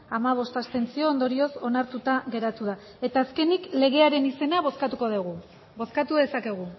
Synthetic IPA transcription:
amaβ̞o̞st̪ast̪e̞nt͡sio̞ːnd̪o̞ɾio̞so̞naɾt̪ut̪aɣe̞ɾat̪uða | e̞t̪aːske̞nikle̞ɣ̞e̞aɾe̞nise̞naβ̞o̞skat̪uko̞ðeɣ̞u | bo̞skat̪uðe̞sake̞ɣ̞u

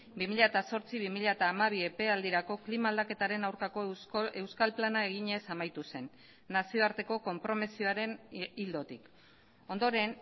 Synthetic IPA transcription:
bimiʎaet̪aso̞ɾt͡siβ̞imiʎaet̪aːmaβ̞ie̞pe̞ald̪iɾako̞klimaːld̪ake̞t̪aɾe̞nawɾkako̞e̞wskalplanae̞ɣ̞iɲe̞samajt̪use̞nː | asio̞aɾt̪e̞ko̞ko̞mpɾo̞mesioaɾe̞nild̪o̞t̪ik | o̞nd̪o̞ɾe̞n

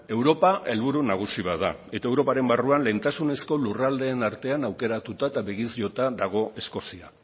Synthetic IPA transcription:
e̞wɾo̞pae̞lβuɾunaɣ̞usiβaða̰e̞t̪ae̞wɾo̞paɾe̞mbaruanle̞nt̪asune̞sko̞lurald̪e̞ːnaɾt̪e̞anawke̞ɾat̪ut̪aet̪aβe̞ɣizjʎo̞t̪aðaɣ̞o̞ʔe̞sko̞sia̰

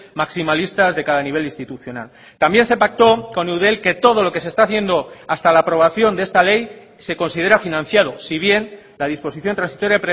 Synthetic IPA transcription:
maksimalist̪azðe̞kaðaniβe̞linst̪it̪uθjo̞na̰l | t̪ambje̞nse̞pak̚t̪o̞ko̞newð̞elke̞t̪o̞ð̞o̞lo̞ke̞sest̪aθje̞nd̪o̞ast̪alaːpɾo̞β̞aθjo̞nd̪ee̞st̪ale̞j | se̞ko̞nsið̞e̞ɾafinãnθjaðosiβ̞je̞n | laðispo̞siθjont̪ɾansi̥t̪o̞ɾjapɾe

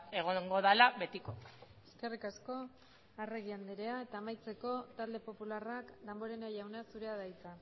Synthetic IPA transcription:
e̞ɣ̞oŋɡo̞ðalaβe̞t̪ikoe̥ske̞rikasko̞ | are̞ɣiand̪eɾe̞ae̞t̪aːmajt͡se̞ko̞t̪ald̪e̞po̞pularakd̪ambo̞ɾe̞najawnasuɾe̞aðajt͡sa

